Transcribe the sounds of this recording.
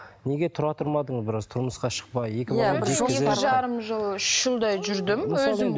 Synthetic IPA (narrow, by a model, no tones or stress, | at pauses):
ne̞ɡʲe̞t̪ʰʊɾɑt̪ʰʊɾmɑd̪əɴəzbɪɾɑzt̪ʰʊɾməsqɑʃə̥q̚pɑjːe̞kʲɪɪʒeeʒɑɾəmʒəlˠʏʃʒəlˠd̪ɑjʒʏɾd̪ɪmmwɵzɪ